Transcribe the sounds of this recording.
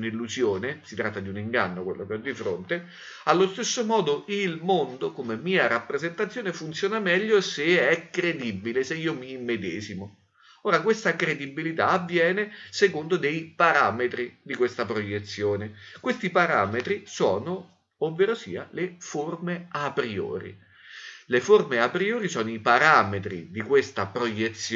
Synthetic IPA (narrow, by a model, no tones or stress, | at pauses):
nilːuzjoːnesit̪ɾat̪ːad̪iuniŋɡa̰nːokwḛlːokeɔd̪ːifɾo̰nt̪e | alːost̪esːomɔːd̪oilmond̪okomemiːaɾapːɾezent̪at̪sːjoːnefunt̪sjoːnamɛʎːoseɛkːɾed̪ibːileseiːomiːmːed̪ɛ̰ːzimo | oːɾakwest̪akɾed̪ibːilit̪aːvːjɛːnesekond̪od̪ejpaɾaːmet̪ɾid̪ikwest̪apɾojet̪sːjoːnekwest̪ipaɾa̰ːmet̪ɾisɔːnoː | vːeɾosḭːa̰leformeapɾio̰ːɾḭ | leformeapɾioːɾisɔːnoipaɾaːmet̪ɾḭd̪ikwest̪apɾojet̪sː